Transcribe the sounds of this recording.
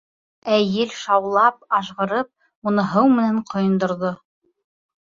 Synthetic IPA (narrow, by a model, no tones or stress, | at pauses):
æjɘlʃɑwlˠɑp̚ɑʃʁɤ̆ɾɤp̚ | unɤɦɤwmɘ̆næɴqʰŏjɤ̆nd̪ŏɾðo